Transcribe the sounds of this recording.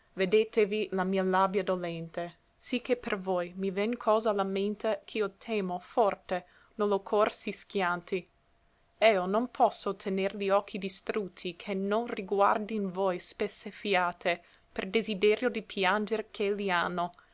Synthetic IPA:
ved̪eːt̪evilamiːalabjad̪olɛnt̪e | sikːepervojmivɛnkʰɔːzalament̪ekʰiot̪ʰeːmofɔrt̪e | nolokʰorsiskjant̪i | ɛononpʰɔsːot̪ʰeneɾliɔkʰːid̪ist̪ɾut̪ʰːikʰenːonriɡwa̰rd̪invojspesːefjaːt̪ʰe | perd̪ezid̪eːɾjod̪ipʰjand͡ʒeɾkʰelianːo

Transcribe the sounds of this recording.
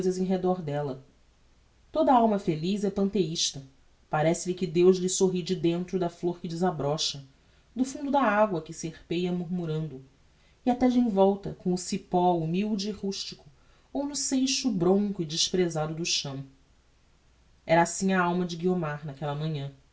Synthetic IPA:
jzɐzẽj̃ɦed̪ɔɾd̪ɛlɐ | t̪od̪ɐawmɐfelizɛpɐ̃nt̪eiʃt̪ɐ | paɾɛsɪlɪkɪd̪ewʒlɪsoɦid͡ʒɪd̪ẽnt̪ɾʊd̪ɐfloɾkɪd͡ʒɪzabɾɔʃɐ | d̪ʊfũnd̪ʊd̪ɐaɡwɐkɪseχpejɐmuɾmuɾɐ̃nd̪ʊ | iat̪ɛd͡ʒẽj̃vɔwt̪ɐkõw̃ʊsipɔumiwd͡ʒɪiʁuʃt͡ʃikʊ | ownʊsejʃʊbɾõŋkʊɪd͡ʒɪʃpɾezad̪ʊd̪ʊʃɐ̃w̃ | ɛɾɐasĩɲɐawmɐd͡ʒɪɡiomaɾnɐkɛlɐmɐ̃ɲɐ̃

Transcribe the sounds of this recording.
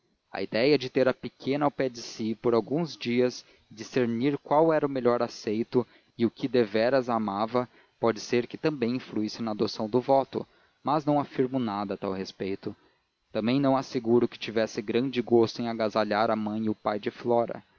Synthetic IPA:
ɐ̰id̪ɛjɐd͡ʒɪt̪eɾɐpɪkʰẽnɐawpɛd͡ʒɪsipoɾawɡũzd͡ʒiɐz | d͡ʒiseɾniɾkwawɛɾɐʊmeʎɔɾasejt̪ʊ | ɪʊkʰɪd̪evɛɾɐzamavɐ | pɔd͡ʒɪseɾkɪt̪ɐ̃mbẽj̃ĩfluisɪnɐːd̪osɐ̃w̃d̪ʊvɔt̪ʊ̰ | mɐznɐ̃w̃afiɾmʊnad̪ɐt̪awhespejt̪ʊ | t̪ɐ̃mbẽj̃nɐ̃w̃aseɡuɾʊkɪ̥t͡ʃivɛsɪɡɾɐ̃d͡ʒɪɡost̪ʊẽj̃aɡazaʎaɾɐmɐ̃j̃ʊpajd͡ʒɪflɔɾɐ̰

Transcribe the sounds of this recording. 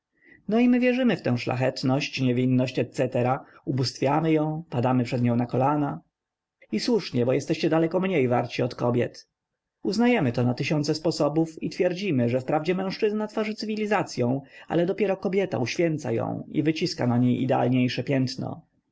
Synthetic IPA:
nɔimɘvʲjɛʐɘmɘft̪ɛ̃w̃ʂla̰xɛt̪nɔɕt͡ɕɲɛvʲinːɔɕt͡ɕɛt̪sɛt̪ɛɾaubust̪fʲjamɘjɔ̃w̃pad̪amɘpʂɛd̪ɲɔ̃w̃nakɔlana | iswuʂɲɛbɔjɛst̪ɛɕt͡ɕɛd̪alɛkɔmɲejva̰ɾt͡ɕiɔt̪kɔbʲjɛ̰t̪ | uznajɛmɘt̪ɔnat̪ɘɕɔnt̪sɛspɔsɔbufit̪fʲjɛɾd͡ʑimɘʐɛfpɾavd͡ʑɛmɛ̃w̃ʂt͡ʂɘznat̪faʐɘt̪sɘvʲilʲizat̪sʲjɔ̃w̃a̰lɛd̪ɔpʲjɛɾɔkɔbʲjɛt̪a̰uɕfʲjɛnt̪sa̰jɔ̰̃w̃ḭvɘt͡ɕiska̰naɲejʔḭd̪ɛa̰lɲejʂɛpʲjɛnt̪nɔ̰

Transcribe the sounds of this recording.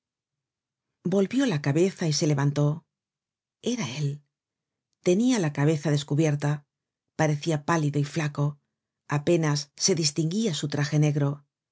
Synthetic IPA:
bo̞lβjo̞lakaβe̞θaise̞le̞βant̪o̞ | e̞ɾae̞l | t̪e̞nialakaβ̞e̞θaðe̞skuβje̞ɾt̪a | paɾe̞θiapaliðo̞iflako̞ | ape̞nasːe̞ðist̪iŋɡiasut̪ɾaxe̞ne̞ɣɾo̞

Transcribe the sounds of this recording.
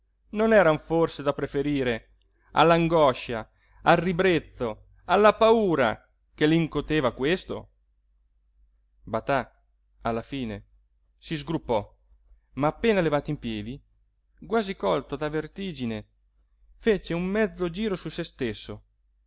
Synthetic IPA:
nonɛːɾaɱforsed̪apɾefeɾiːɾe | a̰lːaŋɡɔʃa | alrːibɾet̪so | alːapauːɾa̰ | keliŋkot̪eːvakwest̪o̰ | bat̪a | alːafiːne | sizɡɾupːɔ | maːpːeːnalevaːt̪oimpjɛːd̪i | ɡwaːzikɔlt̪od̪avert̪iːd͡ʒine | fet͡ʃeumːɛd̪zːod͡ʒiːɾosusest̪esːo

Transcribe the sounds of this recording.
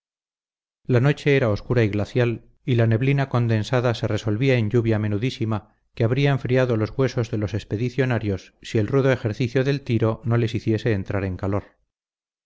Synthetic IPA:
lano̞t͡ʃe̞eɾao̞skuɾaiɣlaθjal | ilane̞βlinako̞nd̪e̞nsaðase̞re̞so̞lβiaeɲʎuβjame̞nuðisima | keaβɾiaẽɱfɾiaðolo̞zɣwe̞so̞zðe̞lo̞se̞spe̞ðiθjo̞naɾjo̞sːie̞lruðoe̞xe̞ɾθiθjoðe̞lt̪iɾo̞no̞le̞siθje̞se̞ːnt̪ɾaɾe̞ŋkalo̞ɾ

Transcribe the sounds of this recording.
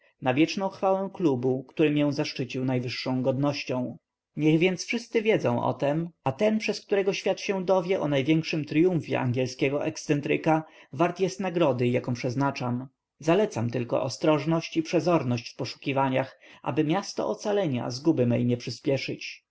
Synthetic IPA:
navʲjɛt͡ʂnɔ̃w̃xfawɛ̃w̃klubukt̪uɾɘmjɛw̃zaʂt͡ʂɘt͡ɕiwnajvɘʂːɔ̃w̃ɡɔd̪nɔɕt͡ɕɔ̃w̃ | ɲɛɣvʲjɛnt̪sfʂɘst̪sɘvʲjɛd̪zɔ̃ʔɔ̰t̪ɛmat̪ɛnpʂɛsk̚t̪uɾɛɡɔɕfʲjat̪ɕɛ̃d̪ɔvʲjɛʔɔnajvʲjɛŋkʂɘmt̪ɾjũfʲjɛ̰ʔa̰ŋɡʲjɛlskʲɛɡɔʔɛkssɛnt̪ɾɘkavaɾt̪jɛst̪naɡɾɔd̪ɘjakɔ̃pʂɛznat͡ʂam | zalɛt̪samt̪ɘlkɔ̰ʔɔ̰st̪ɾɔʐnɔɕt͡ɕipʂɛzɔɾnɔɕt͡ɕfpɔʂu̥kʲivaɲaxʔa̰bɘmʲjast̪ɔ̰ʔɔt̪salɛɲa̰zɡubɘmɛ̰jɲɛpʂɘspʲjɛʂɘt͡ɕ

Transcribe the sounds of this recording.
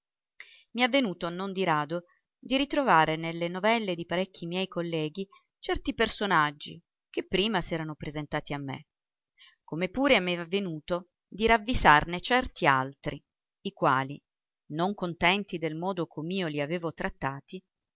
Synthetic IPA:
miavːenuːt̪onond̪iɾaːd̪o | d̪iɾit̪ɾovaːɾenelːenovɛlːed̪ipaɾɛkʰːimjɛjkolːɛːɡi | t͡ʃɛrt̪ipersonad͡ʒːi | kepːɾiːmasɛːɾanopɾezent̪aːt̪iamːḛ | komepːuːɾeameavːenuːt̪o | d̪iɾavːizarnet͡ʃɛrt̪ia̰lt̪ɾi | ikwa̰ːli | noŋkont̪ɛnt̪id̪elmɔːd̪okʰomːiːoliaveːvot̪ɾat̪ːaːt̪i

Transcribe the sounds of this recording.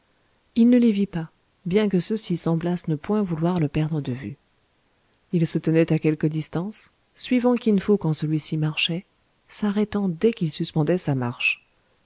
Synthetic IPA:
ilnəlevipa | bjɛ̃k̬əsəsisɑ̃blasnəpwɛ̃vulwaʁləpɛʁd̪ʁəd̪əvy̰ | ilsət̪ənɛt̪akʲɛlkəd̪ist̪ɑ̃sː | ɥivɑ̃kʲinfokɑ̃səlɥisimaʁʃɛ | saʁɛt̪ɑ̃d̪ɛkilsyspɑ̃d̪ɛsama̰ʁʃ

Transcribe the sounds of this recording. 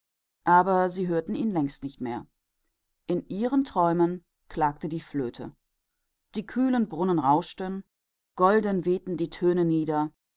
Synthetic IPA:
ʔaːbɐziːɦøːɐtn̩iːnlɛŋstnɪçtmeːɐ | ʔɪnʔiːʁəntʁ̥ɔʏmən | kl̥aːk̚tədiːfløːtʰə̰ | d̥iːkʰyːlənbʁʊnənʁaʊʃtən | ɡ̥ɔldənveːtn̩diːtʰøːnəniːdɐ

